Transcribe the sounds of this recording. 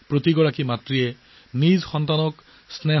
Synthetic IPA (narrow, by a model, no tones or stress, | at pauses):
pɹotiɡɔɹakimatɹiɛ | nizxɔntanɔk | snɛ